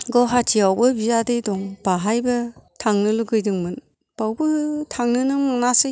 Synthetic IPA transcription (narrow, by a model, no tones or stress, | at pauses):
ɡɔɦatʰiawbɯbizadɯjdɔŋb̥aɦajbɯtʰaŋnɯluɡɯjdɯŋmɯn | b̥awbɯtʰaŋnɯnɯmaŋnasɯj